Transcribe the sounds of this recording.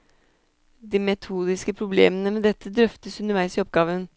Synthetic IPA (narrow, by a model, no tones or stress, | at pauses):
d̪iːmɛt̪ʰuːd̪ɪskəpʰɾʊblḛːmənəmɛd̪ɛt̪ʰːəd̪ɾœft̪əsʉnəɾʋæɪsɪɔp̚ɡɑːʋən